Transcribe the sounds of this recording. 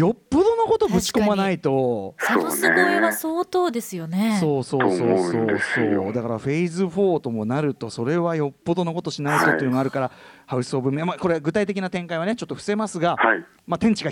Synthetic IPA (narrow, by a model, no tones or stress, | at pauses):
jo̞pːod̪o̞no̞ko̞t̪o̞bɯ̟t͡ɕi̥ko̞manait̪o̞so̰neoeasoːt̪o̞ːd̪e̞sɨjo̞neso̞ːsoːsoːoːd̪esoːd̪akaɾaɸe̞izɨɸo̞ːt̪o̞mo̞naɾɯ̟t̪o̞so̞ɾe̞βajo̞pːod̪o̞no̞ko̞t̪o̞ɕinaizot̪ejɯ̟noaɾɯ̟kaɾa | haɯ̟sɨ̥o̞ːbɯ̟memako̞ɾeɡɯ̟t̪ait̪e̞kʲinat̪ẽ̞ŋkaiβanet͡ɕo̞t̪ːo̞ɸɯ̟̥se̞masɨɡahai | mat̪ẽ̞ɲ̟t͡ɕiɡa